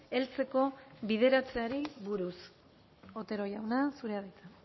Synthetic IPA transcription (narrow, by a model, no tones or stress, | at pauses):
e̞lt͡se̞ko̞βið̞e̞ɾat͡se̞aɾiβuɾus | o̞t̪e̞ɾo̞jawnasuɾe̞aðit̪a